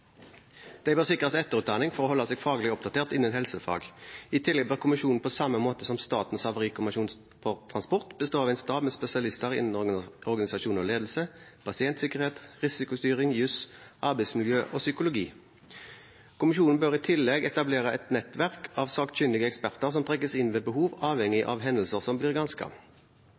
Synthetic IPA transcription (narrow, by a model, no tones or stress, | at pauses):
d̪̥ɛɪbøːʁsɪkʁəsɛt̪ːəʁʉːt̪d̪ɑːnɪŋfɔʁoːhɔlːɑsɛːɡfɑːɡəlɪɔp̚d̪ɑt̪ʰeːʁt̪ɪnːənhɛlsəfɑ̰ːɡɪt̪ʰɪlːɛɡ̚bøːʁkʰʊmɪʃuːnn̩pʰosɑməmoːt̪əsɔmst̪ɑ̰ːt̪n̩sɑʋəʁiːkɔmɑʃuːn | pʰɔt̪ʰʁɑnspɔʁt̪bəst̪oːɑʋɛɪnst̪ɑːbmeːspɛsɪɑlɪst̪əʁɪ̰nn̩ɔʁɡɑnɪsɑʃuːnɔleːd̪l̩səpʰɑsɪɛnt̪sɪkəʁheːt̪ʁɪsɪkʊst̪yːʁɪŋjʉsʔɑʁbæɪsmɪljøːʔɔsʏkʊlʊɡiː | kʰʊmɪʃuːnn̩bøːʁɪt̪ʰɪlːɛɡɛt̪ɑbleːʁəʔɛt̪nɛt̪ʋæʁkʰɑʋsɑːkt̪çʏnd̪ɪɡəɛkspæʁt̪əʁsɔmt̪ʰʁɛk̬ːəsɪnʋeːbəɦuːʋɑːʋhɛŋːɪʔɑ̰ʋɦɛnl̩səʁsɔmbliːʁɡɑnskʰɑ̰